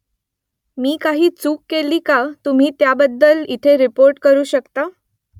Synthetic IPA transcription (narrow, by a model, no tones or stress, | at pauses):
miːkaɦiːt͡suːkːeliːkat̪um̤iːt̪jabəd̪ʱːəlit̪ʰeɾipoɾʈkəɾuːɕəkt̪a